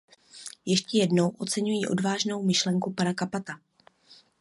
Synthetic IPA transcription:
jɛʃcɛjɛdno̞wʔo̞t͡sɛɲujiːʔo̞̰dvaːʒno̞wmɪʃlɛŋkupanakapat̪a

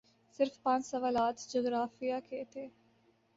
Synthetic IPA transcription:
sɪɾfpãɲd͡ʒsəʋaːlaːt̪d͡ʒoːɡɾaːfijaːkeːt̪eː

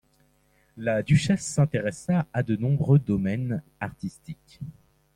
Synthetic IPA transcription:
lad̪yʃɛsːɛ̃t̪eʁɛsaːd̪ənɔ̃bʁød̪ɔmɛnaʁt̪ist̪ikʲ

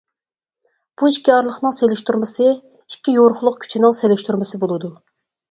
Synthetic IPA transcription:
b̥uiʃkʲiɑɾlˠəχnɨŋselɪʃt̪uɾmɨsɨ | ikʲːijoɾχʊlˠʊq̚kʲʰy̥t͡ʃʰinɪŋselɪʃt̪yɾmɨsɨbolˠɨd̪u

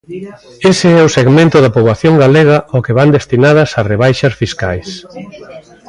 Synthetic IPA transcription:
eseɛʊseɣmẽnt̪ʊðɐpoβlaθjoŋɡaleɣɐʔokeβand̪est̪inað̞ɐsareβ̞ajʃɐsfiskajs

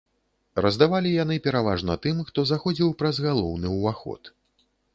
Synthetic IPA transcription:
rɐzd̪avalʲijanɨpʲɛɾava̰ʐnɐt̪ɨmxt̪ɔzaxɔd͡zʲiwpɾɐzɣalˠɔwnɨuvaxɔ̰t̪

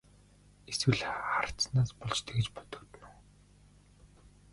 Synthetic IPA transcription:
eswɘ̆ɮχar̥̆ʰt͡snaːspɔɮt͡ɕt̪ʰĕɡĕt͡ɕpɔ̥t̪ɞ̆kt̪̆nu

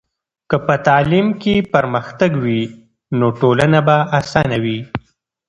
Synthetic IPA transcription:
kəpət̪ɑlimkepəɾməxt̪aɡwi | noʈolanabaasɑnawi

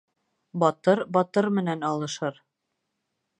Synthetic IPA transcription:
bɒt̪ɤɾbɒt̪ɤɾmɘ̆nænɑlˠɤ̆ʃɤɾ

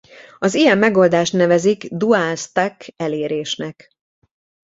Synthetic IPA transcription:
ɒzijɛmːɛɡo̞ld̪aːʃt̪nɛvɛziɡd̪uaːst̪akɛleːɾeːʃnɛk

